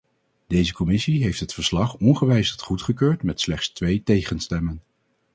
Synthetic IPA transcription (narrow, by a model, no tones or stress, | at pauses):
d̥ejzəkɔmɪsiɦejftɦətfəɹslɑχɔnχəʋɛjstχutχəkøːɹtmɛtslɛχtstʋejtejχənstɛmən